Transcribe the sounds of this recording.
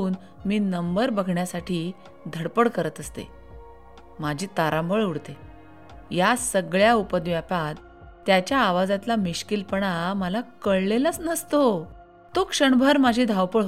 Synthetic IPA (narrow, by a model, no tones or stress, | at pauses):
uːn | miːnəmbəɾbəɡʱɳjasaʈʰiː | d̪ʱəɽpəɽkəɾət̪əst̪ḛ | mad͡ʑʱiːt̪aɾãmbʱəɭuɽt̪e | jasəɡɭjaupəd̪ʋjapat̪ː | jat͡ɕjaːʋad͡zãt̪lamiɕkilpəɳaməlakəɭlelət͡snəst̪o | t̪okʂəɳbʱəɾmad͡ʑʱiːd̪ʱawpəɭ